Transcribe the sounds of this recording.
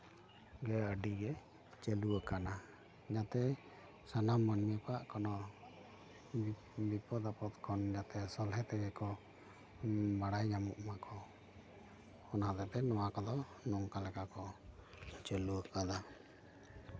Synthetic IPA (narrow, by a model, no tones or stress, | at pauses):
ɡɛəɖiɡɛ | t͡ʃəluəkana | d͡ʒat̪ɛ | sanamːənmɛpaʔkɔnɔ | bipɔd̪apɔt̪kʰɔnd͡ʒat̪ɛsɔlɦɛt̪ɛɡɛkɔ | baɽajd͡ʒamuʔmakɔ | ɔnad̪ɛpɛnɔwakɔd̪ɔ | nɔŋkalɛkakɔ | t͡ʃəluəkana